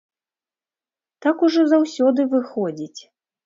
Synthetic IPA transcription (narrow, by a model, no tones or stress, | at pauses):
t̪akuʐɔzawsʲɔd̪ɨvɨxɔd͡zʲit͡sʲ